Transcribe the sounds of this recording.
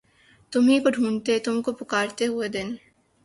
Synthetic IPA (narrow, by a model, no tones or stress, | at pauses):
t̪ʊmɦikoɖʱũːɳt̪et̪ʊmkopʊkaːɾt̪eɦʊed̪ɪn